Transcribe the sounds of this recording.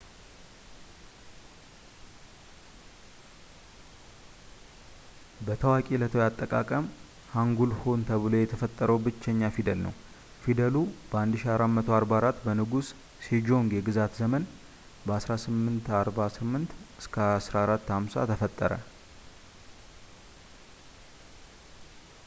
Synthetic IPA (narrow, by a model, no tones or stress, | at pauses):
bət̪ʰəwakʼilət̪ʰəjat̪ʼːəkʼa̰kʼəm | haŋɡulho̞nt̪ʰəβlo̞jɛt̪ʰəfət̪ʼːəɾəwbɨt͡ʃːɛɲːafid̪əlnə̰w | fid̪əlub̥əand̪ɨʃiaɾamːət̪ʰoaɾbaɾat̪ːbənɨɡusː | id͡ʒo̞ŋɡjɛɡɨzat̪zəmən | bəasɾasɨmːɨnt̪aɾbasɨmːɨnt̪ɨskʰəasɾaɾat̪ːhamsa̰t̪ʰəfət̪ʼːəɾə̰